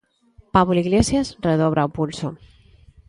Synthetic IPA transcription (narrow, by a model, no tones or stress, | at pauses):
paβuliɣlesjasreð̞oβ̞ɾaopulso